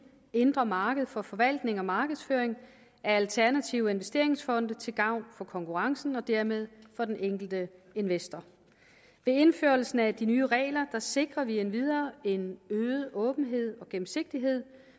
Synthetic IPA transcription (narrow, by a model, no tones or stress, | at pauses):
end̥ʁɐmɑ̈ːɡ̥əð̞̩ˠfɒ̽fɒ̽ʋæl̰d̥ne̝ŋɒ̽mɑ̈ːɡ̥əðˠsføɐeŋ | æɐælt͡sʰæɐnæt͡sʰiʊəe̝nʋesd̥e̝ɐ̰e̝ŋsfɒ̽nd̥ət͡sʰe̝lɡ̥ɑ̈ʊ̰nfɒ̽kʰɒ̽ŋkʰuʁɑ̈ŋsn̩ɒ̽d̥æɐmeð̞ˠfɒ̽d̥eneŋ̰ɡ̥l̩d̥əe̝nʋesd̥ɐ | ʋe̝e̝nføɐl̩sn̩æd̥inyːʁɛ̰ːlɐd̥ɑ̈se̝ɡ̥ʁɐʋienʋið̞ˠɐːe̝nøːð̩ˠʔɔ̽ːb̥n̩ɦe̝ð̰ˠɒ̽ɡ̥em̩se̝ɡ̥̚d̥iɦe̝ð̰ˠ